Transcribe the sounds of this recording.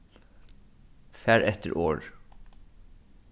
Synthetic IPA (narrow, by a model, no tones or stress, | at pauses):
fæɾɛt̪ə̰ɹʔoːɹ